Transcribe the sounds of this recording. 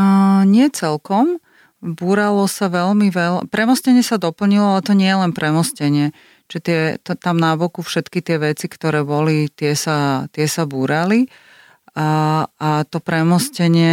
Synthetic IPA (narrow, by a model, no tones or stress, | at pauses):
ɲɪɛt͡sɛlkɔm | buːɾalɔsaʋɛlmiʋɛlpɾɛmɔscɛɲɪɛsad̪ɔpl̩ɲilɔalɛt̪ɔɲɪɛjɛlɛnpɾɛmɔscɛɲɪɛ | t͡ʃɛt̪ɪɛt̪t̪amnabɔkufʃɛt̪kit̪ɪɛʋɛt͡sikt̪ɔɾɛːbɔlit̪ɪɛsat̪ɪɛsabuːɾali | at̪ɔpɾɛmɔscɛɲɪɛ